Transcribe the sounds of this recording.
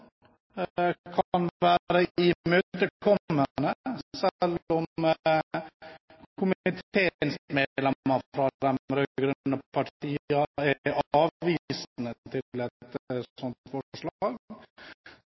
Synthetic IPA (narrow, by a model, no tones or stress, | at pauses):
kʰɑnʋæːɾəɪmøːt̪əkʰɔːənəsɛlːɔm | kʰʊmɪt̪ʰeːnsmeːlɛɑfɾɑd̪ɛmɾøɡɾœnːəpʰɑʈiːɑɛɑːʋiːsnət̪ʰɪlɛt̪sɔnt̪fɔʂɭɑːɡ